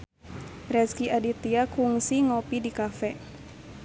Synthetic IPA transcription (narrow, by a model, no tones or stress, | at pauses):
rɛskiadit̪iakuŋsiŋɔpidikafɛ